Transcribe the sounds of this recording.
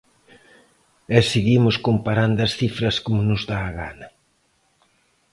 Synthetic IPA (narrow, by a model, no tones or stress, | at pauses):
ɛseɣimʊskompaɾand̪ɐsθifɾɐskomʊnʊzðaːɣa̰nɐ